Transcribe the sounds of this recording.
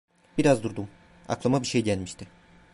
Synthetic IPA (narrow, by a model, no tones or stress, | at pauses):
biɾazd̪uɾd̪um | a̰klˠamabiɾʃejɟælʲmiʃt̪ʰɪ